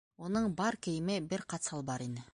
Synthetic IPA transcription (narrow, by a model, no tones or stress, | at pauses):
wo̞nəɴbɑɾkʲʰejɪmɪbɪɾqʰɑt̪sɑlˠbɑɾenɪ